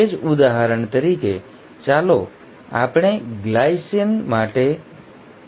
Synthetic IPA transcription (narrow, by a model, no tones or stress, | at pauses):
ed͡ʒud̪aɦəɾəɳt̪əɾike | t͡ʃalo | a̰pɳ̃eɡlaisiənmaʈe